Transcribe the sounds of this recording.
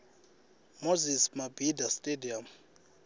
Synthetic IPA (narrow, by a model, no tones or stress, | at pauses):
mozismabʱidastʼediam